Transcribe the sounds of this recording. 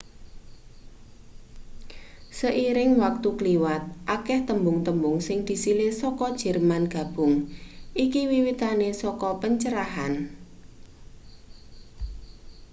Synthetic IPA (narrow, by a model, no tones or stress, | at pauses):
səʔiɾɪŋwak̚t̪ukliwat̪̚ʔakɛht̪əmbʊŋt̪əmbʊŋsɪŋd̪̥i̤silesɔkɔd̥ʒ̥ɛ̤rmanɡ̥ä̤b̥ʊ̤ŋʔikiwiwit̪anesɔkɔpəɲt͡ʃəɾaɦan